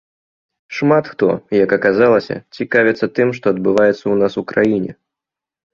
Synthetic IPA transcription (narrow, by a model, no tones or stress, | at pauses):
ʂmat̪xt̪ɔ̰jɐkɐkazalˠɐsʲɐ̰t͡sʲikavʲɛt̪sːɐt̪ɨmʂt̪ɔɐd̪̚bɨvajɛt̪sːɐwnasukɾajinʲɛ̰